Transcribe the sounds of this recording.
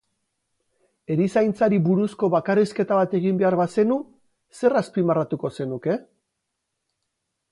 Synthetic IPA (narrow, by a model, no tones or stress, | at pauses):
e̞ɾisajnt͡saɾibuɾusko̞βakariske̞t̪aβat̪e̞ɣ̞imbe̞aɾβase̞nu | se̞raspimarat̪uko̞se̞nuke̞